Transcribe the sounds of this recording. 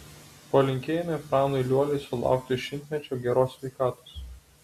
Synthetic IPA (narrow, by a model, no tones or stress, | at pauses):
poːlʲɪŋʲkʲeːjɛmʲɛpɾɑːnoɪlʲuɔlʲɛɪsʊlˠɑ̰ˑʊk̚t̪ʲɪʃʲɪnʲt̪ʲmʲɛt͡ʃʲoːɡʲɛɾoːsʲʋʲɛɪkɑːt̪oːs